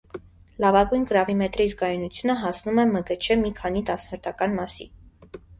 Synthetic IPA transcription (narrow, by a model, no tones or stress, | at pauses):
lɑvɑɡujnkəɾɑvimɛt̪ɾisɡɑjunut͡sʰjunəɦɑsnumɛməkət͡ʃʰɛmikʰɑn̪it̪ɑsnɔɾt̪ʰɑkɑnmɑsḭ